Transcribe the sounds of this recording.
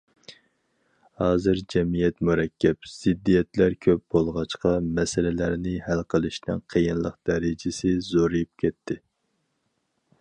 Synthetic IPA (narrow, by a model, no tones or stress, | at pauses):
hɑːzɨɾd͡ʒɛmijɛt̪muɾɛkʲʰːɛpz̥ɪd̪ːijɛt̪læɾkʲʰøp̚b̥olˠʁɑt͡ʃqɑmɛsɪlɪlæɾnɪhælqʰəlˠɨʃnɨ̰nqʰəjɨnlˠəqd̪ɛɾɪd͡ʒɪsɪzoɾɨjup̚kʲʰɛt̪ʰːɪ